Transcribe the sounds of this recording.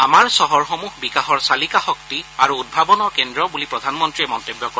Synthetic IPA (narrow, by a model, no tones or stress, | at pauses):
amaɹsɔɦɔɹxɔmuɦbikaɦɔɹsalikaxɔktiaɹuːd̚bʱabɔnɔkendɹɔbulipɹɔdʱanmɔntɹiɛmɔntebjɔkɔɹ